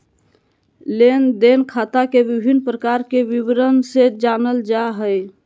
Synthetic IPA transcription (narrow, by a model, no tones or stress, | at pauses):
lend̪enkʰat̪akebibʱinpɾəkaɾkebibɾənsed͡ʒanəld͡ʒaɦəj